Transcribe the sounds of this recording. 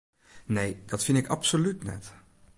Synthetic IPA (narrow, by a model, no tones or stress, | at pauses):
nejd̥ɑtfɪndɪkɑpsolytnɛ̰t